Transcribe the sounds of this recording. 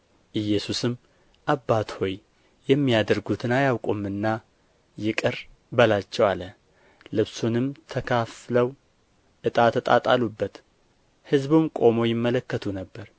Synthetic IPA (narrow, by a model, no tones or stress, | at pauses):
ʔɨjːɛsusɨmː | ʔabːat̪ho̞j | jɛmːijad̪əɾɡut̪ʰɨnajawkʼomːɨnːa | jɪkʼɨɾ | bəlat͡ʃːɛwalə | lɨβsunɨmt̪ʰəkʰafləw | ʔɨt̪ʼat̪ʰːət̪ʼa̰t̪ʼalubːət̪ | hɨzbumkʼo̞mo̞jɪmːələkːət̪ʰunəbːəɾ